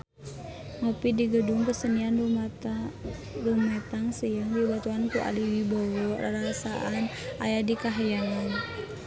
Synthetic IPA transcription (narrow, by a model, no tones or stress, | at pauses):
məpidiɡəduŋpəsənian | rumat̪aŋsəjaŋdibat̪uankuʔa̰liwibɔwɔrɾasaʔan | ajadikaɦajaŋan